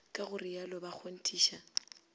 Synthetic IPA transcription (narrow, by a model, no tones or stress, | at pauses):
kʼaɣʊrɪjalɔbak͡xʰon̩tʰʼiːʃa